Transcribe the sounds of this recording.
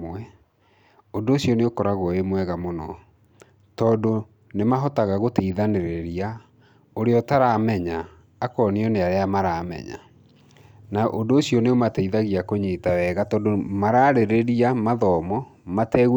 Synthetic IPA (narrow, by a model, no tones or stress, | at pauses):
ɛ | ondoːsjɔneokɔɾaɣɔemwɛɣamonɔ | tɔːdo | nemaɦɔtaɣaɣoteiðaneɾeɾia | oɾeɔtaɾamɛɲaː | kɔːniɔneaɾeamaɾaːmɛ̰ɲa̰ | naʔondoːsiɔneomateiðaɣiakoɲeːtawɛːɣatɔːndomaɾaːɾeɾeɾiamaðɔmɔmatɛːɣ